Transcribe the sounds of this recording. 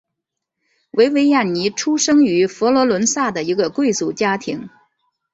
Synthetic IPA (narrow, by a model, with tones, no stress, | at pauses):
wʔe˧˥ɪwe˧˥ɪja˥˩nni˧˥ʈ͡ʂʰu˥ʂɤ˥ŋy˧˥fɔ˧˥lwɔ˧˥lwə˧˥nsa˥˩d̪ə˩i˧˥ɡə˧kwe˥˧ɪt͡su˨˩t͡ɕja˥t̪ʰi˧˥ŋ